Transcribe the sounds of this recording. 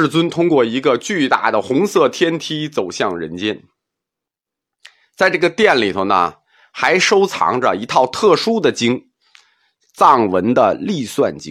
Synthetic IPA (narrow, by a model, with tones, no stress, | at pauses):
ɻ̩˥˩t͡swə˥nt̪ʰʊ˥ŋkwɔ˥˩i˧˥ɡə˧t͡ɕy˥˧t̪a̰˥˩d̪ə˩xʊ˧˥ŋsɤ˥˩t̪ʰjɛ˥nt̪ʰi˥t͡so˨˩ʊɕjɑ˥˩ŋɻə̰˧˥nt͡ɕjɛ˥n | t͡sa˥˧ɪʈ͡ʂɤ˥˩ɡə˩t̪jɛ˥˩nli˨˩t̪ʰo˧ʊnə̰˩ | xa˧˥ɪʂo˥ʊt͡sʰɑ̰˧˥ŋʈ͡ʂə̰˧i˧˥t̪ʰɑ˥˧ʊt̪ʰɤ˥˩ʂu˥d̪ə˨t͡ɕi˥ŋ | t͡sɑ˥˩ŋwə̰˧˥nd̪ə˧li˥˧swa̰˥˩nt͡ɕḭ˥